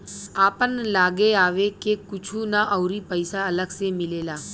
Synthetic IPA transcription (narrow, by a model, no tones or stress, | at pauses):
aːpənlaːɡeaːʋekekʊt͡ʃʰunaʔəʊɾipəɪsaɐləɡsemɪleːlaː